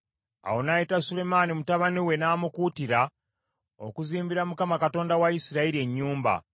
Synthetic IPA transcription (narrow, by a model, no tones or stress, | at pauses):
a̰wo̞najitasule̞maːnimutaβaniwe̞naːmukuːtiɾa | o̰kuziːmbiɾamukamakato̞ːndawaisiɾaiɾie̞ɲːuːmba̰